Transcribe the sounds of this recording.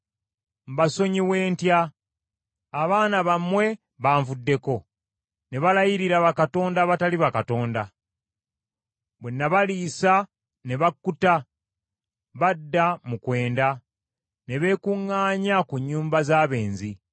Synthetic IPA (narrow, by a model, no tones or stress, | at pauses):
m̩βaso̞ɲiwe̞ːntja | βaːnaβamwe̞ | βaːɱvudːe̞ko̞ | ne̞βalajiɾiɾaβakato̞ːndaβataliβakato̞ːnda | βwe̞nːaβaliːsa | ne̞βakːuta | βadːamukwe̞ːnda | ne̞βe̞ːkuŋːaːɲakuɲːuːmbazaːβe̞ːnzi